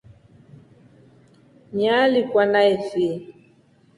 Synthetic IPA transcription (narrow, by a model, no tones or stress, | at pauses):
ɲalikwanaɛfiɛ